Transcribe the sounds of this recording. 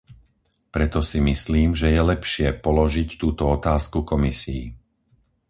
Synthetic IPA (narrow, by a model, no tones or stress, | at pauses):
pɾɛt̪ɔsimisliːmʒɛjɛlɛpʃɪɛpɔlɔʒict̪uːt̪ɔɔt̪aːskukɔmisḭː